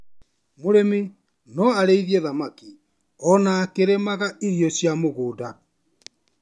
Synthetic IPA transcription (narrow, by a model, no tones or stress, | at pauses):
moɾemi | nɔaɾeiðiɛðamaki | ɔnaːkeɾemaɣaiɾjɔsjamoɣoːda